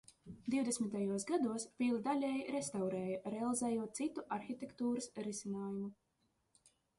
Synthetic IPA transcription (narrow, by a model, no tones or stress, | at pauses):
d̪iwd̪esmʲit̪ajuɔsɡad̪uɔspʲiːlˠd̪alʲɛːjɾest̪awɾɛːjɐɾealˠizɛːjuɔt̪̚t̪sit̪uʔaɾxit̪ʲekt̪uːɾɨsɾisinaːjumu